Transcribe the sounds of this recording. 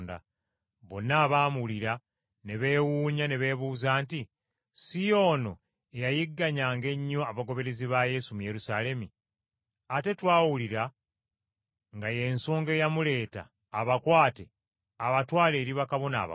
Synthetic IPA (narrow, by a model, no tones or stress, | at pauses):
nda̰ | βo̞nːaːβaːmuuliɾa | ne̞βe̞ːwuːɲaneβe̞ːβuːzaːnti | sijo̞ːno̞̰ | ejajiɡːaɲaːŋɡe̞ɲːo̞aβaɡo̞βe̞ɾe̞ziβaje̞sumuje̞ɾusale̞mi | ate̞twaːwuliɾa | ŋɡaje̞nsoːŋɡe̞jamule̞ːta̰ː | βakwaːte | aβatwaːle̞ːɾiβakaβo̞na̰ːβa̰